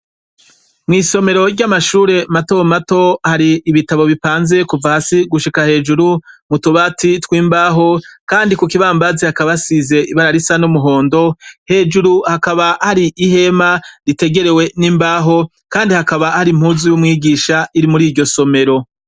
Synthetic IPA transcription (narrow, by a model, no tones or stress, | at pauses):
mŋiːso̞me̞ɾo̞ɾɟamaʃuːɾe̞matomato̞haɾiʔːβitaβo̞βipaːnze̞kuvahasiɡuʃikahe̞ːd͡ʒuɾumutuβatitwiːmbaːɦo̞kaːndikukiβaːmbazihakaβasize̞iβaɾaɾisanumuɦo̞ːndo̞he̞ːd͡ʒuɾuhakaβahaɾiʔiɦe̞maɾite̞ɡe̞ɾe̞we̞niːmbaːɦo̞ | kaːndihakaβahaɾim̥huːzijumŋiːɡiːʃaiɾimuɾiːɾɟo̞so̞me̞ɾo̞